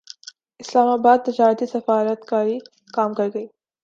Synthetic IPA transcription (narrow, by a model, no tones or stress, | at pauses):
ɪslaːmaːbaːd̪̚t̪ɪd͡ʒaːɾət̪isɐfaːɾət̪kaːɾi | kaːmkɐɾɡɐiː